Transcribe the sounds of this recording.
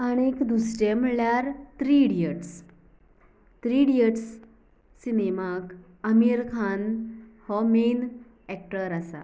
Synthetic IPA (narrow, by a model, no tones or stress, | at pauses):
əñekd̪usɾemɭjaɾt̪ɾiɽijəʈs | t̪ɾiɽijəʈsː | inemak | əmiɾkʰanhɔmen | ɛk̚ʈəɾasa̰